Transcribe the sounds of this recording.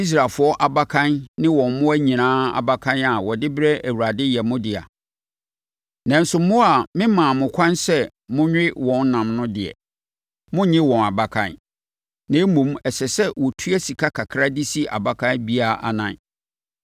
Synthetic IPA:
i˦s̬ɾa˨fʊ˨˦ɔ˦ʔa˨ba˦kʰã˦nnɪ̃˦wɔ̃˨mmʊ̃˦æ˦ɲĩ˨nãː˦a̰˨ba˨kʰã˦na˨wɔ˨dɪ˦bɾɛ˦ʔæ˨wu˨ɾa˨dɪ˦jɛ˨mʊ̃˦dɪ˨a̰˨ | nã˨n˦sʊ˨mʊ̃˦a˨mɪ̃˦mãː˨mʊ̃˨kʷʰã˦nsɛ˦ | mʊ̃˦ɲᶣ˦ɪ˦wɔ̃˨n̩˦nã˨mnʊ̃˦dɪ˨ɛ̰˨ | mʊ̃˦ɲɪ̃˦wɔ̃˨na˨ba˨kʰã̰˦˨n | nã˨˦mũ˨˦mɛ˨sɛ˨sɛ˦wɔ˨tʰu˦æ˦si˨kʰa˦kʰa˨kʰɾa˦dɪ˦si˦ʔa̰˨ba˨kʰã˦nbi˦a˨ʔa̰˨nã˨˦n

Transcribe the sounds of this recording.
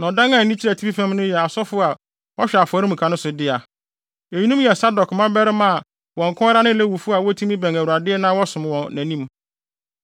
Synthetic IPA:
nã˨dã˦ŋã˨nĩ˦t͡ɕʰɛ˨tʰi˦bi˦fɛ̃˦mnʊ̃˦jɛ˨a˨sɔ˦fʊ˦a˨ | wɔ˦ɕᶣɛ˨a˨fʊ˨ɔ˨ɾi˦m̩˨kʰã˨nʊ̃˦sʊ˨dɪ˦a˨ | ɛ˨ɲi˦nũ˦m˦jɛ˨sa˦dɔ˨kmã˦bɛ˦ɾɪ˦mã˦a˨ | wɔ̃˨ŋ̩˨kʰʊ̃˦ɛ˦ɾa˦nɪ̃˦lɛ˦wu˨fʊ˦a˨wɔ˦tʰu˦mĩ˦bæ̃˨ŋæ˨wu˨a˨dɪ˦ɛ˦nãː˦wɔ˦sʊ̃˨m˨wɔ̃˨næ̃˨nĩ˦m

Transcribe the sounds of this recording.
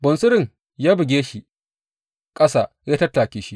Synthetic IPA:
bɐ˨nsʊ˦ɾɪ˨ŋ | jaː˦bɪ˨ɡʲeː˦ʃi˦ | kʼɐ˦saː˨jaː˦tɐ˦tːaː˨kʲiː˨ʃi˦

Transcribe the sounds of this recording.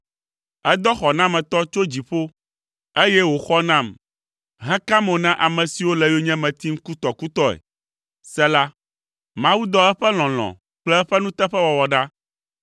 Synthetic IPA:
ɛ˦d̪ɔ˦xɔ˨nã˦mɛ̃˨t̪ɔ˦t͡ʃo˦d͡ʑi˨ɸo˦ | e˦jɛ˦wo˨xɔ˦nã˦˨m | ɦɛ̃˦ka˦mõ˨nã˦ʔa˨mɛ̃˨si˨wo˦lɛ˨jo˦ɲɛ̃˦mɛ̃˨t̪i˦ŋ̩˦ku˦t̪ɔ˨ku˦t̪ɔ˦ɛ̰˨ | sɛ˦la˦ | mã˦wu˦d̪ɔ˦ɛ˦ɸɛ˦l̃ɔ̃˨l̃ɔ̰̃˨ | k͡plɛ˦ɛ˦ɸɛ˦nũ˦t̪ɛ˦ɸɛ˦wɔ˨wɔ˨ɖa˦

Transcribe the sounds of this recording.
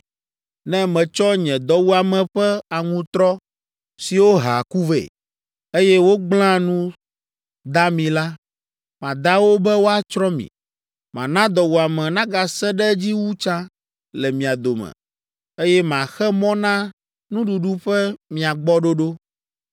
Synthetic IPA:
nɛ̃˦mɛ̃˨t͡ʃɔ˦ɲɛ̃˨d̪ɔ˦wu˦a˨mɛ̃˨ɸɛ˦a˨ŋũ˦t̪ɾɔ˦ | si˨wo˦ɦa̰˨ku˦vḛ˨ | e˦jɛ˦wo˦ɡ͡bl̃ã˦nũ˦ | d̪a˦mĩ˨la˦ | mã˨d̪a˦wo˦bɛ˦wo˦a˨t͡ʃɾɔ˦mḭ̃˨ | mã̰˨nã˦d̪ɔ˨wu˨a˨mɛ̃˨nã˦ɡa˨sɛ˦ɖɛ˦d͡ʑi˦wu˦t͡ʃã˦ | lɛ˨mĩ˨a˨d̪o˨mɛ̰̃˨ | e˦jɛ˦mã˨xɛ˦mɔ̃˦nã˦ | nũ˦ɖu˨ɖu˦ɸɛ˦mĩ˨a˨ɡ͡bɔ˦ɖo˦ɖo˦

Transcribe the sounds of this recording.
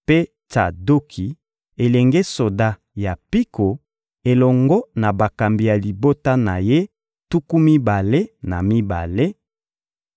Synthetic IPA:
pe˦ | ta̰˨do˦kʰi˨ | e˨lɛ˨ŋɡe˦so˨da˦ | ja˨pi˦ko˨ | e˨lɔ˨ŋɡɔ˦na˨ba˨ka˨mbi˨ja˨li˨bo˦ta˦na˨je˦ | tu˦ku˦mi˦ba˨le˦na˨mi˦ba̰˨le˦

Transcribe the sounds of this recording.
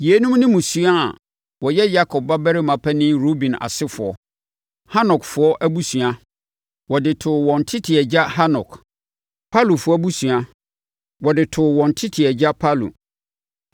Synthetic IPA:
ji˨e˦nũ˦mnɪ̃˦mũ˨su˦a˦a̰˨ | wɔ˨jɛ˦ja˦kʰɔ˨p̚ba˦bɛ˦ɾɪ˦mã˨pʰɛ˦nɪ̃˦ɾo˦bĩ˨na̰˨sɪ˦fʊ˨ɔ̰˨ | ha˦nɔ˨kfʊ˨˦ɔ˦ʔæ˦bu˦su˨a˦ | wɔ˨dɪ˨tʰʊ˨wɔ̃˨ntʰɪ˦tʰɪ˨ɛ˨d͡ʑa˦ha˦nɔ̰˨k | pʰa˦lu˨fʊ˦ɔ˦bu˦su˨a˦ | wɔ˨dɪ˨tʰʊ˨wɔ̃˨n˨tʰɪ˦tʰɪ˨ɛ˨d͡ʑa˦pʰa˦lṵ˨

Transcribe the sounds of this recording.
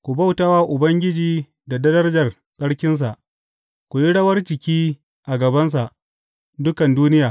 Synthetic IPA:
kʷu˨bɐ˦wta˦waː˦ʔʊ˨bɐ˦ŋɡʲɪ˦d͡ʒiː˦ | da˨dɐ˦dɐ˦rd͡ʒɐ˨r | sʼɐ˦ɽkʲɪ˦ns̬a˨ʔ | kʷu˨ji˦ɽɐ˦wɐ˦rt͡ʃɪ˨kʲiː˦ | ʔa˨ɡɐ˨bɐ˦ns̬a˨ʔ | dʊ˦kɐ˨nduː˦nɪ˦jaː˨

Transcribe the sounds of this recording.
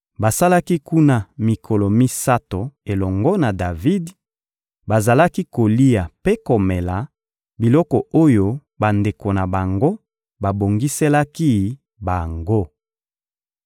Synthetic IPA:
ba˨sa˦la˦ki˦ku˦na˦mi˨kʰɔ˨lɔ˨mi˦sa˦to˨e˨lɔ˨ŋɡɔ˦na˨da˨vi˦d | ba˨za˨la˦ki˦ko˨li˦a˨pe˦ko˨mɛ˨la˨ | bi˨lɔ˦kɔ˨o˦jo˦ | ba˨nde˨ko˨na˨ba˨ŋɡo˦ | ba˨bo˨ŋɡi˦sɛ˦la˦ki˦ | ba˨ŋɡo˦

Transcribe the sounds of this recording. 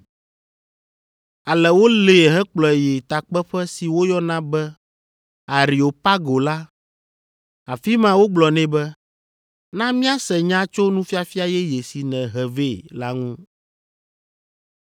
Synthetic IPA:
a˨lɛ˨wo˦le˨ɦɛ˦k͡plɔ˨jɛ˨t̪a˨k͡pɛ˦ɸɛ˦si˨wo˦jɔ˦nã˦bɛ˦ | a˨ɾi˨o˨pa˦ɡo˨la˦ | a˨fi˦mã˦wo˦ɡ͡blɔ˨nɛ̃˦bɛ˦ | nã˦mĩ˦a˦sɛ˨ɲã˦t͡ʃo˦nũ˦fi˦a˨fi˦a˨jɛ˦je˨si˨nɛ̃˨ɦɛ˨ve˦la˦ŋũ˦

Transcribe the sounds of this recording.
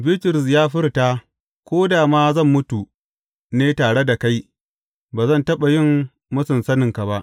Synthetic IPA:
bɪ˦tɪ˨ɾɪ˨s̬jaː˦ɸɪ˦rtaː˦ | kʷoː˦daː˨maː˦zɐ˦˨mːʊ˦tu˨ | neː˦taː˨ɽe˦da˨ka˦j | baː˨zɐ˦ntɐ˦ɓa˨jɪ˦˨mː | ʊ˦sʊ˨nsɐ˦nɪ˨ŋka˨ba˦ʔ

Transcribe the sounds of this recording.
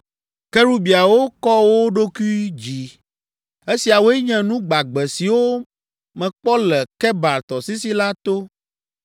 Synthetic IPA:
kɛ˦ɾu˦bi˨a˨wo˦kɔ˦wo˦ɖo˦ku˦i˦d͡ʑi˨ | e˦si˨a˨wo˦ɛ˦ɲɛ̃˨nũ˦ɡ͡ba˨ɡ͡bɛ˨si˨wo˦ | mɛ̃˨k͡pɔ˦lɛ˨kɛ˦ba˨ɾt̪ɔ˨si˦si˦la˦t̪o˦

